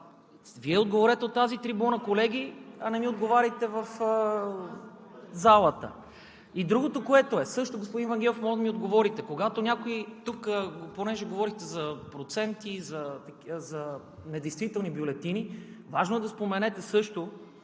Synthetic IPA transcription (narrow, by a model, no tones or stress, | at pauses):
viɛod̪̚ɡovoɾɛt̪ɛot̪ːazit̪ɾibunɐkolɛɡ̟ʲiɐnɛmiod̪ɡovaɾʲit̪ɛvɐfə | zalˠət̪ə̰ | id̪ɾuɡot̪okoɛt̪oɛsɤʃt̪oɡospʊd̪invɐŋɡʲɛlˠofmɔʒd̪ɐmiod̪ɡovɔɾit̪ɛkoɡat̪onʲakoit̪ukponɛʒɛɡovɔɾixt̪ɛzɐpɾot̪sɛnt̪izɐt̪ɐzɐ | nɛd̪ɛjst̪vit̪ɛlˠnibjolɛt̪inivaʒnoɛd̪ɐspomɛnɛt̪ɛsɤʃt̪o